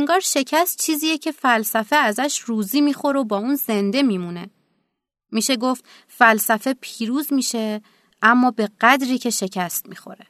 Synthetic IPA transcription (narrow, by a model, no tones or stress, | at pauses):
ŋɡɒːɾʃe̞cʰæst̪̚t͡ʃʰiːziːjecʰe̞fælsæfeæzæʃruːziːmiːxo̞ɾobɒːuːnze̞nd̪e̞miːmune̞ | miːʃe̞ɡoft̪ | fælsæfe̞pʰiːɾuːzmiːʃe̞ | ʔæmːɒːbe̞ɢæd̪ɾiːcʰe̞ʃe̞cʰæst̪̚miːxo̞̰ɾe̞